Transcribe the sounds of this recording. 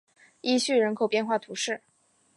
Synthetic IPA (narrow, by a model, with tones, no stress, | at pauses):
i˥ɕy˥˩ɻə˧˥nkʰo˨˩ʊpjɛ˥˧nxwa˥˩t̪ʰu˧˥ʂɻ̩˥˩